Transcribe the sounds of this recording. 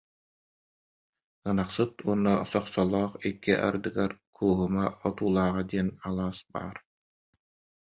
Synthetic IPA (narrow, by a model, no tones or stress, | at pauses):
ɯnaqsɯt̪uɔnːɔsɔχsɔlˠɔːχikːiʔa̰ɾd̪ɯɡaɾkʰuːɦumaɔt̪uːlˠaːʁad̪iɛnalˠaːsba̰ːɾ